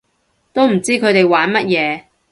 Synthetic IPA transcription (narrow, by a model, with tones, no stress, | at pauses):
t̪o˥wm̩˨˩t͡siː˥kʰɵ˨˧ɥt̪e˨jwaː˨˥nmɐ˥t̚jɛː˨˧